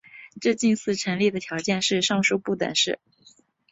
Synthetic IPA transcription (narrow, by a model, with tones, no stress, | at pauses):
ʈ͡ʂɤ˥˧t͡ɕi˥˧nsɹ̩˥˩ʈ͡ʂʰə˧˥nli˥˩d̪ə˩t̪ʰjɑ˧˥ʊt͡ɕjɛ˥˧nʂɻ̩˥˧ʂɑ˥˧ŋʂu˥˧pu˥˩t̪ə̰˨˩nʂɻ̩˥˩